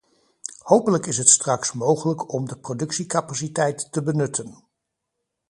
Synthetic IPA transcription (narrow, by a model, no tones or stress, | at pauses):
howpələkɪsɦətstrɑksmowχələkɔmdəprodɵksikapasitɛjtːəbənɵtən